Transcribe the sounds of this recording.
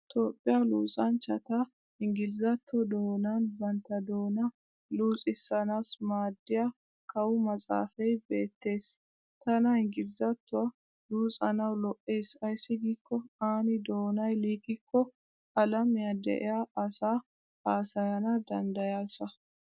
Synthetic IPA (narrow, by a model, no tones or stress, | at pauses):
t̪o̞ːpʼːɪjaluːsʼɐnt͡ʃɐt̪a | hɪŋɡɪlzɐt̪ːɔd̪oːnaːnbɐnt̪ːɐd̪o̞ːnɐ | luːt͡sʼɪsːɐnaːsmaːd̪ːɪja | kɐwʊmɐt͡sʼa̰ːfɛjbe̞ːt̪ːe̞ːs | t̪ɐnɐhɪŋɡɪlzɐt̪ːʊɐ | luːsʼɐnɐwlɔʔːeːsɐjsːɪɡɪkːɔaːnɪd̪o̞ːnɐjliːɡɪkʰːɔ | ɐlɐmɪjɐd̪ɛ̰ʔɛjaːʔɐsaː | aːsɐjɐnɐd̪ɐnd̪ɐjaːsɐ